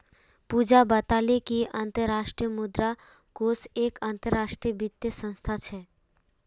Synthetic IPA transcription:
pud͡ʒabət̪alekiə̃nt̪əɾːaːʃʈɾijəmʊd̪ɾa | koseːkãnt̪əɾːaːʃʈɾijəbit̪jəsə̃nst̪ʰat͡ʃʰɛ

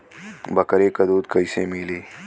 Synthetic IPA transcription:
bɐkəɾeːkɐd̪uːd̪̚kəisẽmiːliː

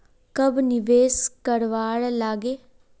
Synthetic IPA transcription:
kəbnɪʋeːskəɾʋaːɽlaːɡeː

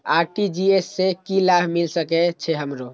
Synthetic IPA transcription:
aɾʈid͡ʒiesːekilabʱmilsəkɛt͡ʃʰɛɦəmɾo

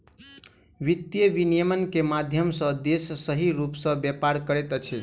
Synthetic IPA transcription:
ʋit̪ːjəʋinijəmənkemad̪ʱjəmsə̃d̪essəɦiɾupsə̃bjepaɾkəɾɛt̪ət͡ʃʰi

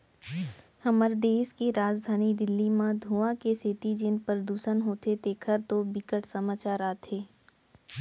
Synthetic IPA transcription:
hɐməɾd̪eːskeɾaːd͡ʒd̪ʱaːnid̪ɪlːimãd̪ʱuːãkeset̪id͡ʒɪnpɾəd̪uːʃənɦoːt̪et̪eːkʰəɾt̪obɪkəʈsəmaːt͡ʃaːɾaːt̪ʰeː

